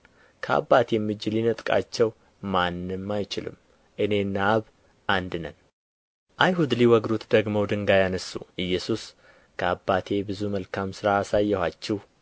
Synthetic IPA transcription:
kʰəa̰bːat̪ʰɛmːɨd͡ʒilinət̪ʼkʼa̰t͡ʃːɛw | manːɨmmːajt͡ʃɪlɨ̰m | ʔɨne̞nːaβ | ʔand̪ɨnən | ʔajɦud̪liwɔɡd̪ut̪d̪əɡmowd̪ɨŋɡajanəsːṵʔɨjːɛsus | kʰəabːat̪ʰe̞bɨzuməlkʰamsɨɾaːsajːɛhʷat͡ʃːɛh

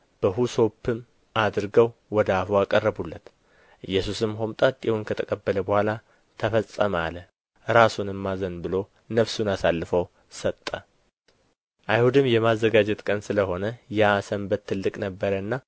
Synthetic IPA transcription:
b̥əɦuso̞pʰːɨm | ad̪ɾɡəwwɔd̪əafuakʼərːəbulːət̪ | ʔɨjːɛsusɨmɦomt̪ʼat̪ʼːɛhunkʰət̪ʰəkʼəbːələbəhʷala | t̪ʰəfəsʼːəma̰lə | ɾasunɨmːazənbɨlo̞ | nəfsunasalːɨfəw | sət̪ʼːə | ʔajhud̪ɨmjɛmazːəɡad͡ʒɛt̪kʼənsɨləɦo̞nəjɛasəmbət̪ʰːɨlːɨkʼnəbːəɾənːa

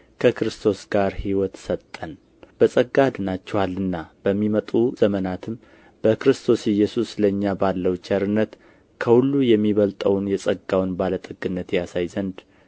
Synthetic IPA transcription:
kʰəkɾɨst̪ʰo̞sɡ̥aɾhiwɔt̪sət̪ʼːən | bəsʼəɡːad̪ɨnat͡ʃːɛwalːɨnːab̥əmːimət̪ʼuzəmənat̪ʰɨm | b̥əkɾɨst̪ʰo̞sɨjɛsusləɲːabalːəwt͡ʃɛɾɨnːət̪ | kʰəhulːujɛmːiβəlt̪ʼəwnjɛsʼəɡːawnbalət̪ʼɨɡɨnːət̪jasajzənd̪

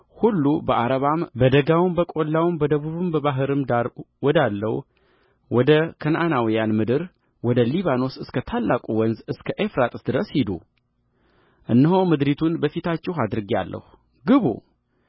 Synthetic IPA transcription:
hulːubəʔaɾəβambəd̪əɡawɨmbəkʼo̞lːawɨmbəd̪əβuβɨmbəβaɦɨɾɨmwɔd̪alːə̰w | wɔd̪əkʰənʔanawijanmɨd̪ɨɾ | wɔd̪əliβano̞sɨskʰət̪ʰalːakʼuwɔnzɨskʰəʔefɾat̪ʼɨsd̪ɨɾəshid̪ṵ | ʔɨnːɨɦowmɨd̪ɾit̪ʰunbəfit̪ʰat͡ʃːɛɦad̪ɾɨɡia̰lːʔə̰h | ɡɨβṵ

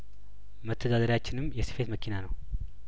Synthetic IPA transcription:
mət̪ʰːəd̪ad̪əɾjat͡ʃːɪnɨmːjɛsɨ̥fe̞t̪məkʰinanəw

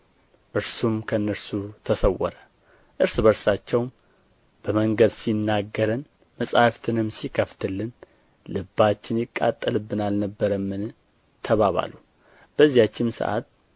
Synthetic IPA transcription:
ʔɨɾsumkʰəɨnːəɾsut̪ʰəsəwːɔ̰ɾə | ʔɨɾsbəɾsat͡ʃːɛwm | b̥əməŋɡəd̪sinːaɡːəɾɨn | məsʼahft̪ʰɨnɨmːsikʰəft̪ʰɨlːɨn | lɨbːat͡ʃːɪnjɪkʼːa̰t̪ʼːəlɨbːɨnalnəbːəɾəmːɨn | t̪ʰəβaβa̰lu | b̥əzːijat͡ʃːɪmsə̰ʔa̰t̪

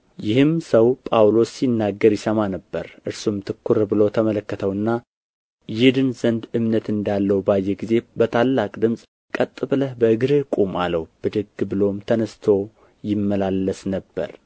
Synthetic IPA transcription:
jɪhɨmsəwpʼawlo̞sːinːaɡːəɾjɪsəmanəbːəɾʔɨɾsumt̪ʰɨkʰːuɾbɨlo̞t̪ʰəmələkːət̪ʰəwɨnːa | jɪd̪ɨnzənd̪ɨmnət̪ɨnd̪alːəwubajːeɡize̞bət̪ʰalːakʼd̪ɨmsʼ | kʼət̪ʼːɨbləhbəɨɡɨɾɨkʼumaləwb̥ɨd̪ɨɡbɨlo̞mt̪ʰənəst̪ʰo̞ | jɪmːəlalːəsnəbːə̰ɾ

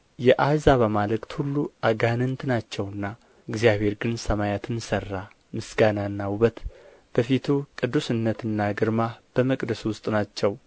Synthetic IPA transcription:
jɛʔazaβəmalɨkʼt̪hulːuʔaɡanɨnt̪ʰɨnat͡ʃːɛwɨnːa | ɨɡzijaβhe̞ɾɡɨnsəmajat̪ʰɨnsərːa | mɨsɡanaɨnːawuβət̪ | b̥əfit̪ʰukʼɨd̪ːusɨnːət̪ɨnːaɡɨɾmab̥əməkʼd̪əswʊst̪ʼnat͡ʃːɛw

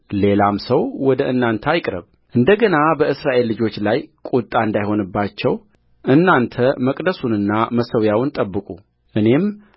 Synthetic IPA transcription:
le̞lamsəwwɔd̪əʔɨnːant̪ʰəajɪkʼɾə̰β | ʔɨnd̪əɡənabəɨsɾaʔe̞lːɨd͡ʒo̞t͡ʃːlajkʼut̪ʼaɨnd̪ajho̞nɨbːat͡ʃːɛw | ʔɨnːant̪ʰəməkʼd̪əsunɨnːaməsəwjawnt̪ʼəbːɨkʼu | ʔɨne̞m

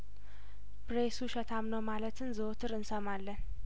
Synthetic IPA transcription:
bɾesuʃət̪ʰamnəwmalət̪ʰɨnzɨot̪ʰɨɾɨnsəmalːən

